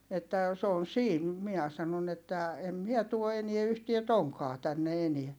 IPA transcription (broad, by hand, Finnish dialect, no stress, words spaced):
etːæ s oːn̞ siːn miæ sɑnon etːæ em miɛ tuo enie yhtie toŋkɑː tænːe eniæ